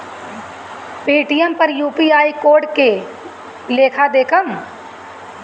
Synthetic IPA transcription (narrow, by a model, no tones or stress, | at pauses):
piːʈijəmpɐɾjuːpiaːikoːɾɖke | leːkʰad̪eːkʰəm